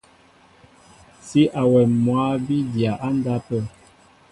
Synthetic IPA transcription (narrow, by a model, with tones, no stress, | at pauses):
si˦ʔa˨wɛ˨mwa˨˦bi˦dja˨ʔa˦n˦da˦pə˦˨